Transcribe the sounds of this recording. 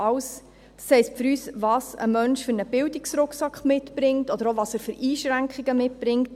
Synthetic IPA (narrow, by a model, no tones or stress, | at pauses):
ɑʊs | d̥ɑ̥shɛɪstfʏɾyːsvɑːsə̰mœnʃfʏɾnəb̥ɪwdiksɾʊkχsɑkχmɪtb̥ɾɪŋtɔd̥̪əɾovɑːsæːɾfʏɾiːʃɾæŋkχiɡəmɪt̚b̥ɾɪŋt